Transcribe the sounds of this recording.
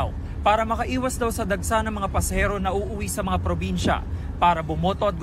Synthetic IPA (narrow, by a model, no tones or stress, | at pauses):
w | paːɾɐmɐkɐʔiːwɐsd̪ɐwsɐd̪ɐɡ̚sanɐŋmɐŋapɐsɐhɛɾo̞nɐʔuːʔʊwisɐmɐŋapɾobinʃɐ̰ | paːɾɐbʊmo̞ːt̪o̞ɐt̪̚ɡ